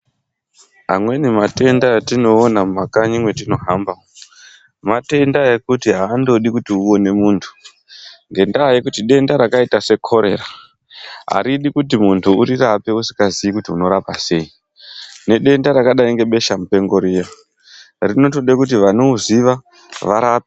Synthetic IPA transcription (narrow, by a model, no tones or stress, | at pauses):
ɦa̰mwe̞nimate̞ndajatino̞ːnammakaɲimwe̞t̬ino̞ɦamba | mate̞ndajekutiɦaːndo̞ɗikutiuo̞ne̞muːntʰu̥ | ŋɡe̞ndaje̞kutiɗe̞ndaɾakaitasekʰo̞ɾe̞̰ra | a̰ɾiɗikutimuntʰuuɾirape̞usi̥kaziikutiuno̞ɾapase̞i | ne̞ɗe̞ndaɾakaɗaiŋɡe̞ɓe̞ʃamupe̞ŋɡo̞ɾija | rino̞toɗekut̬iʋano̞uziʋa | ʋaɾape̥